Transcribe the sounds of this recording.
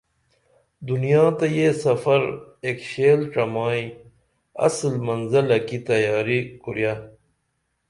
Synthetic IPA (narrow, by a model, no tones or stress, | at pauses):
d̪unijãːt̪ɐjesɐfɐɾeːkɕeːlʈɐmaːi | ɐ̰slmɐnzɐlɐkit̪ɐjaːɾikuɾjaː